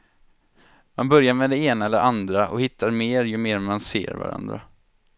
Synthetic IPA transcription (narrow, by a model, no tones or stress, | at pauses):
manbœɾjamɛd̪ɛeːnaɛlːə̰ɾʔand̪ɾaʔɔ̰hɪt̪ʰːaɾmeːɾjɵmeːɾmansḛːɾva̰ɾa̰nd̪ɾa̰